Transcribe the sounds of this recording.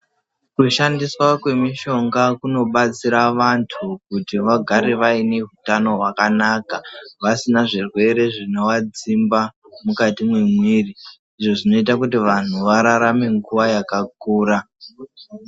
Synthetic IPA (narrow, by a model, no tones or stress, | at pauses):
kuʃandiswakwe̞miʃo̞ŋɡakuno̞ɓat͡siɾaʋantʰuk̚utiʋaɡʱaɾeʋaine̞ɦutano̞ɦwakanakaʋasinaʐirwe̞ɾe̞ʐino̞wad͡zimba | mukatimwemwiːri | iʐo̞ʐino̞itakutiʋan̤uʋaɾaɾame̞ŋɡuʋajakak̚uːɾa